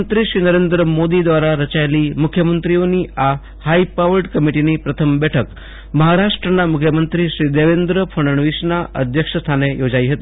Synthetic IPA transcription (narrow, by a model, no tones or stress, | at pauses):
nt̪ɾiɕɾiːnəɾend̪ɾəmod̪id̪ʋaɾaɾət͡ɕajliːmukʰjəmənt̪ɾioniːʔa | haipaʋəɾɖkəmiʈinipɾət̪ʰəmbɛʈʰək | məɦaɾaʂʈɾənamukʰjəmənt̪ɾiɕɾiːd̪eʋend̪ɾəfʰəɳ̃əɳʋisnaʔə̰d̪ʱjəkʂəst̪ʰanejod͡zaiɦət̪iː